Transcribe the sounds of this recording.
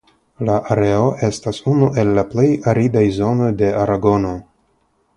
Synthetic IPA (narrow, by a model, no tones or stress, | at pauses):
laʔaɾe̞o̞ʔe̞stasunuʔe̞lːaple̞jaɾidajzo̞no̞jde̞aɾaɡo̞no̞